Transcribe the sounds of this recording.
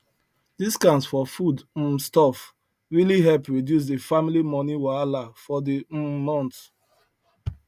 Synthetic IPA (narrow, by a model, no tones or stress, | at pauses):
d̥iskãnsfɔfud̩stɔf | ɹiliɦɛlpɹidjus̬dəfamilimɔniwalafɔdimɔ̃nt